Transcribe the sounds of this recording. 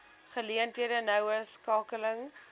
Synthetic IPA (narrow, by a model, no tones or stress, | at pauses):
χəliəntɦiədənœwəskɑːkələŋ